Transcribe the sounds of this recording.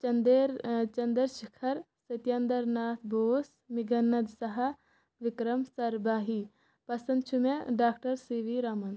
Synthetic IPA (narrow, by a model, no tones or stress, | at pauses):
t͡ʃɐnd̪eɾt͡ʃɐnd̪əɾʃikʰɐɾ | sɐt̪jɐnd̪ɐɾnaːt̪ʰbʱoːs | mɪɡɐnːɐd̪sɐɦɐ | ʋɪkɾɐmsɐɾbaːɦi | pɐsɐ̃nd̪t͡ʃʰumeɖaːk̚ʈɐɾsiʋiɾaːmɐn